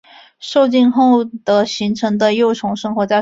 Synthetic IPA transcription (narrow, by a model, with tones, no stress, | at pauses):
ʂo˥˧ʊt͡ɕi˥˧nxo˥˩ʊd̪̥ə˩ɕi˧˥ŋʈ͡ʂʰɤ˧˥ŋd̪ə˧jo˥˩ʊʈ͡ʂʰʊ˧˥ŋʂɤ˥ŋxwɔ˧˥t͡sa˥˧ɪ